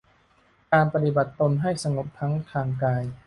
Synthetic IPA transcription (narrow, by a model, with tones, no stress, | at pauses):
kaː˧npa˧t̪i˨˩ba˨˩t̪ːo˧nɦa˥˩jsa˧ŋo˨˩p̚t̪ʰa˦˥ŋt̪ʰaː˧ŋkaː˧j